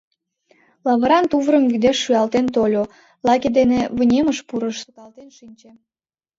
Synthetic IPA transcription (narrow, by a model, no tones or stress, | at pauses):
lɑβəɾɑnt̪uβɾəmɡyd̪eʃːyɑlt̪ent̪olʲo | lɑked̪eneβənʲeməʃpuɾəʃsut̪ɑlt̪enʃinʲt͡ɕe